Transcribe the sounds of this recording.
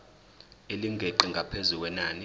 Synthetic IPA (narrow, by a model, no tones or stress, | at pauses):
eliŋɡʱeǃiŋʱapʰezuk̬wɛnaːni